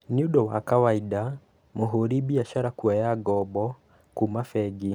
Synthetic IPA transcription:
niuɗɔwa̰kawaida | moɦoɾibiaʃaɾakuajaɡɔbɔ | kumafɛɡi

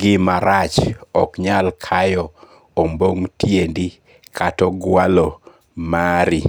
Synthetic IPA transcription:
ɡɪmaɾat͡ʃɔkɲalkʰajɔ | omboŋtjendi | kʰatɔɡwalɔ | maɾi

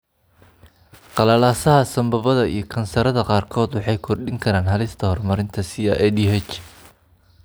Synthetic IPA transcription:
qɑlɐlaːsɐɦɐsɐmbɐβɐðɐḭjɞkʰɐnsɐɾɐðɐqɑːrkʰɔːd̪wɑħɑjkʰɔrɖɪŋkʰɐɾaːnɦɐlɪst̪ʰɐhɔrmɐɾɪnt̪ʰɐsiɐ̰ʔɛd̪iɦɛt͡ʃ

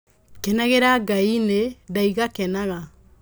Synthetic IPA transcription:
kɛnaɣeɾaɡainedaiɣakɛnaɣa

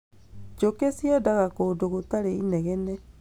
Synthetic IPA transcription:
d͡ʒokesiɛdaɣakodoɣotaɾeinɛɣɛnɛ

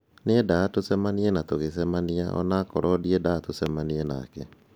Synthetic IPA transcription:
nedaːtosɛmaniɛnatoɣes̬ɛmaniaɔ̰naːkɔɾɔdiɛdatosɛmaniɛna̰ːkɛ

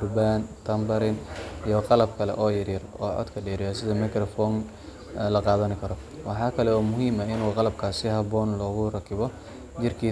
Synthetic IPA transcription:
rbaːnt̪ʰɐmbɐɾɪnijɔqɑlɐbkʰɐlɛ̰ʔɔːjɐɾiːrɔːʕɔ̰d̪kʰɐɖɛːɾɪjɔsɪðɐmɪkɾɔfɔːn | lɐqɑːðɐnɪkʰɐɾɔ | wɑħɑːkʰɐlɛwaːmʊɦiːmɐɪnuːqɑlɐbkʰaːsɪhɐbɔːnlɔːɣʊrɐkʰɪβɔ | t͡ʃɪrkʰiː

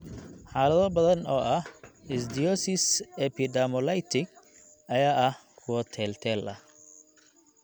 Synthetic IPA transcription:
ħaːlɐðɔbɐðɐnɔːʔɐhɪsd̪ɪɔsɪsɛpʰɪd̪amɔlɐjt̪ʰɪɡ | ɐjaːʔɐh | kʰʊwɐt̪ʰɛːlt̪ʰɛːlʔɐ̰

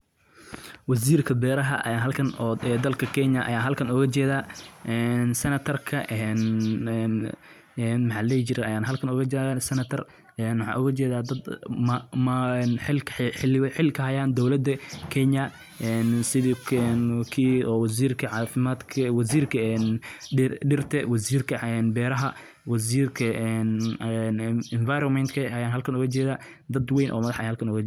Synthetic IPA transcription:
wɐs̬iːrkʰɐbɛːɾɐɦɐ̰ɦɐlkʰɐnɛːd̪ɐlkʰɐkʰɛɲɐʔɐ̰jaːɦɐlkʰɐnʊɣɐt͡ʃɛːðaːʔɛːnsɛnɐt̪ʰɐrkʰɐʔɛn | ɛnmħɑlɛjt͡ʃɪɾɛɐjaːnɦɐlkʰɐnʊɣɐt͡ʃɛsɛnɐt̪ʰɐr | ɛnwħɑ̰ːʔʊɣɐt͡ʃɛːðaːd̪ɐd̪mmːnħɪklħɪlkʰɐɦɐjaːnd̪ɔwlɐd̪ɐkʰɛɲɐ | ʔɛːnsɪðiɛnkʰiːɔːwɐs̬iːrkʰɐʕɑːfɪmaːd̪kʰɐwɐs̬iːrkʰɐɛn | ɖɪrt̪ʰɛwɐsiːrkʰɐɛnbɛːɾɐɦɐ | wɐs̬iːrkʰɐɛnɛnɪnvajɾɔmɛnt̪kʰɐɐjaːnɦɐlkʰɐnʊɣɐt͡ʃɛːðaː | d̪ɐd̪wejnʔɔ̰ːmɐðɐħʔjahɐlkʰɐnʊɣɐ

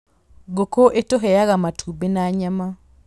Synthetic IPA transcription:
ɡokoʔetoɦɛjaɣamatʰubenaɲama

